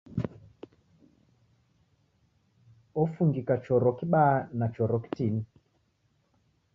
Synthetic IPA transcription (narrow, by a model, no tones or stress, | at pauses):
ɔfuŋɡikat͡ʃɔɾɔkiɓanat͡ʃɔɾɔki̥tini